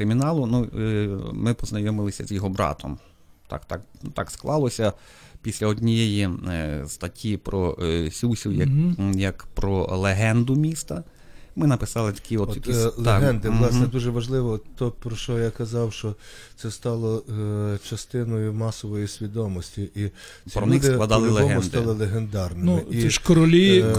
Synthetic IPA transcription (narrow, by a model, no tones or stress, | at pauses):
kɾɪmʲinɑlˠʊnu | mɪpɔznɐjɔmɪlˠɪsʲɐ̰zjɔɦɔbɾɑ̰t̪ʰɔm | t̪ɑ̰kt̪ɑknut̪ɑksklˠɑlˠɔsʲɐ | pʲisʲlʲɐɔdʲnʲijejist̪ɐtʲʰːipɾɔsʲusʲiwjɐjɐkpɾɔlˠeɦɛnd̪ʊmʲist̪ɐ | mɪnɐpɪsɑlˠɪt̪ɐ̥kʲiɔt̪ilˠɦɛnd̪ɪlˠɑsnnɛd̪uʒɛʋɐʒlˠɪʋɔt̪ːɔpɾɔʃt͡ʃɔjakɐzɑwʃt͡ʃɔt̪sɛst̪ɑlˠɔ | t͡ʃɐst̪ɪnɔjʊmɑsɔʋɔjisʲʋʲid̪ɔmɔsʲtʲiʔi | pɾɔnɪssklˠɐd̪ɑlˠɪlˠeɔɦɛʊnsdt̪ɑlˠɪlˠeɦend̪ɑrnɪnmɪiiʃkɔɾɔlʲi